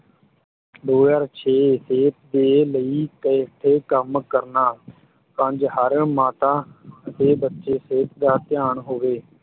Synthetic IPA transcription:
d̪oːjaːɾt͡ʃʰeːseːt̪̚d̪eːləiːk̪əːʈ̪ʰeːkəmkəɾnaː | pə̃ɲd͡ʒhəɾmaːt̪aːət̪eːbətːʃeːseːt̪d̪aːt̪ɪjaːɳɦoːʋeː

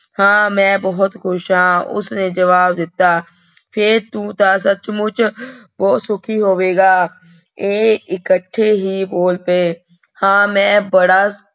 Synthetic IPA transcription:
hãːmɛ̃bɔɦʊt̪xʊʃɦãːʊ̰sned͡ʒɐʋaːbd̪ɪt̪aː | pʰɪɾt̪ũːt̪asət͡ʃmʊt͡ʃbɔːt̪sʊkʰiɦoːʋeːɡaː | eːɪkəʈʰːeɦiboːlpe | hãːmɛ̃ːbɐɽaː

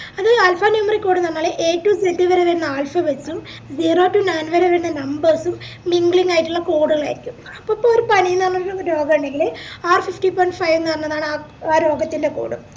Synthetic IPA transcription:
ɐðɨaːlfanumɐrikʲːo̞ːɽɨnɐnːaːɭʔeːʈːumsed̪iʋɐɾeʋeɾunːɐaːlfɐʋet͡ɕːum | d͡ʑiːroːʈːunɐjnʋɐɾeʋeɾunːɐnɐmbɐrsumː | iŋɡɭiŋːaːjiʈːuɭːɐkoːɽuɣɐɭa̰ːjɾikʲːum | ɐpːopːooɾupɐnijinɐrnːɐɾuɾo̞ːɡɐuɳɖe̞ŋɡilaːrfifʈipojɳɖfɐjʋnɐrɐnːɐðaːɳɨaːaːɾo̞ːɡɐt̪ːinde̞ko̰ːɽṵm

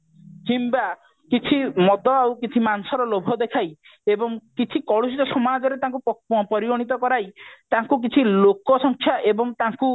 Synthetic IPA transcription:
t͡ʃimba | kit͡ʃʰimɔd̪ɔawkit͡ʃʰimansɔɾɔlobʱɔd̪ekʰaj | ebɔŋkit͡ʃʰikɔɭusit̪ɔsɔmad͡ʒɔɾet̪ãŋkuppɔɾiɡɔɽ̃it̪̬ɔkɔɾajt̪aŋkuk̬it͡ʃʰilokɔsɔŋkʰjaʔebɔŋt̪aŋku

